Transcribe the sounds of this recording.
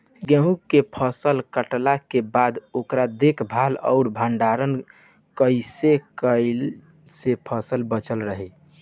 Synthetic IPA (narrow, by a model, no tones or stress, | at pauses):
ɡẽɦũkːepʰəsəlkəʈlakebad̪okɾad̪ekʰbʱalə̰ʊɾbʱəɳɖaɾən | kəɪsekəɪl | sepʰəsəlbət͡ʃəlɾəɦe